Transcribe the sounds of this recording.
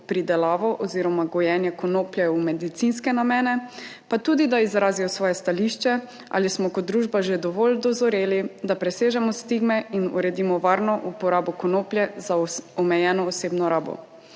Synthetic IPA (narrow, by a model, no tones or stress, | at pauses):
pɾid̪ɛlaːʋɔʔɔziːɾɔmaɡɔjɛnjɛkɔnoːplʲjɛumɛd̪it̪sinskɛnamɛːnɛpat̪uːd̪id̪aizɾaːzijɔsʋɔːjɛst̪aliʃt͡ʃɛ | ʔa̰ːlismɔkɔt̪̚d̪ɾuːʒbaʒed̪ɔʋold̪ɔzɔɾeːlid̪apɾɛseːʒɛmɔst̪iɡmɛinṵɾɛd̪imɔʋaɾnɔʔupɔɾaːbɔkɔnoːplʲjɛzaɔmɛjɛːnɔːseːbnɔɾaːbɔ̰